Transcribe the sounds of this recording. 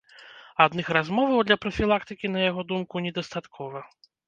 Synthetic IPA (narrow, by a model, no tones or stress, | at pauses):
ad̪nɨxrazmɔvɐwd̪lʲɐpɾɐfʲilˠakt̪ɨkʲinɐjaɣɔd̪umkunʲɛd̪ɐst̪at̪kʰɔvɐ